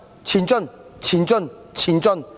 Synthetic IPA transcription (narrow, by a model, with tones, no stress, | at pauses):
t͡ɕʰi˨˧˦nt͡ɕɔ˥˨n | t͡ɕʰi˨˧nt͡ɕɔ˥˨n | t͡ɕʰi˨˧nt͡ɕɔ˥˨n